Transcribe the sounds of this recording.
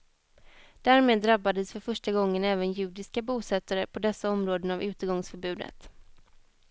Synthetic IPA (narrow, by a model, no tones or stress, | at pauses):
d̪̥æːɾmeːd̪ːɾabːad̪əsfœɾfœʂʈaɡɔŋːənɛːvənjʉ̟ːd̪ɪskabuːsɛt̪ːaɾəpʰɔd̪ɛsːaɔmɾoːd̪ənavʉ̟ːt̪əɾɡɔŋsfœɾbʉ̟ːd̪ə̰t̪